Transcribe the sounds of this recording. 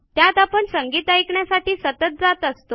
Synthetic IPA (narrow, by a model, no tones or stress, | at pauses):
t̪jat̪apəɳsəŋɡiːt̪ajkɳjasaʈiːsət̪ət̪̚d͡zat̪əst̪o